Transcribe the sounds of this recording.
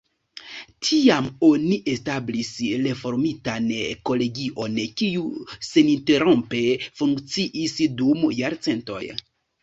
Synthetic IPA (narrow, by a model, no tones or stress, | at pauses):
tʰiamoniʔe̞stablisɾe̞fo̞ɾmitanko̞le̞ɡiʔo̞nkiuse̞ninte̞ɾompe̞fuŋkt͡siʔisdumjaɾt͡se̞nto̞̰j